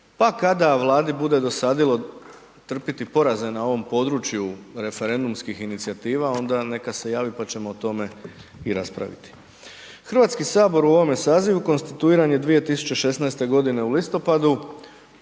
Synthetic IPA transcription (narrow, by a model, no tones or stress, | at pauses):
pakad̪aʋlˠaːd̪ibud̪e̞d̪o̞sad̪ilˠo̞ | t̪r̩pit̪ipo̞ɾaze̞nao̞ʋo̞mpo̞ːd̪ɾuːt͡ɕjuɾe̞fe̞ɾe̞nd̪umskixinit̪sijat̪iːʋao̞nd̪ane̞kase̞jaːʋipat͡ɕe̞moːt̪o̞me̞iɾaspɾa̰ʋḭt̪i̥ | xr̩ʋaːt̪skisaːbo̞ɾuo̞ʋo̞me̞saːziʋuko̞nst̪it̪uiːɾaɲje̞d̪ʋije̞t̪isu̥t͡ɕe̞ʃe̞snajst̪e̞ɡo̞d̪ine̞ulist̪o̞pad̪u